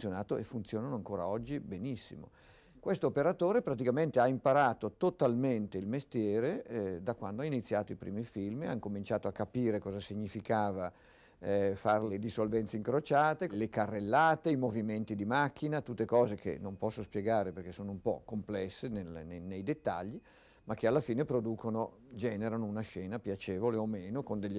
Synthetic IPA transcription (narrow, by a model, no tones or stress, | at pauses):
sjonaːt̪oefːunt̪sjoːnanoaŋkoːɾa̰ɔd͡ʒːibenisːḭmo̰ | kwest̪oːpeɾat̪oːɾepɾat̪̬ikament̪eaimpaɾaːt̪ot̪ot̪alment̪eilmest̪jɛːɾed̪akwa̰nd̪oainit̪sːjaːt̪oipɾiːmifilmḛa̰nkomint͡ʃaːt̪oakːapiːɾekɔːzasiɲːifikaːva | farled̪isolvɛnt̪seiŋkɾot͡ʃaːt̪elekarːelːaːt̪eimoviment̪id̪imakːinat̪ut̪ːekɔːzekʰḛnːompɔsːospjeɡaːɾeperk̟esoːnoumpɔ̰kːomplɛsːenelnenejd̪et̪ːa̰ʎːi | mak̟ːealːafiːnepɾod̪uːkono | d͡ʒɛːneɾanounaʃɛːnapjat͡ʃeːvoleomeːnokond̪eʎː